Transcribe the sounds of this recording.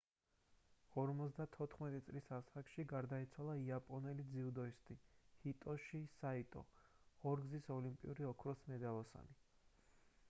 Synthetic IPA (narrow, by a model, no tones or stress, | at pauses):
ɔɾmɔt̪sʰd̪at̪ʰɔt̪ʰχmɛt̪ʼit̪sʼlisasakʃiɡaɾd̪ait̪sʰwalˠaiapʼɔnɛlid̪ziud̪ɔist̪ʼihit̪ʼɔʃisait̪ʼɔ̰ | ɔɾɡzisɔlimpʼḭuɾiɔkʰɾɔsmɛd̪alˠɔsa̰ni